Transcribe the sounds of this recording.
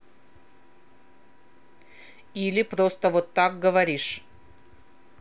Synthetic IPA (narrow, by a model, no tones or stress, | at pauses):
ilʲɪpɾost̪əvot̪ːak̚ɡəvɐɾʲiʂ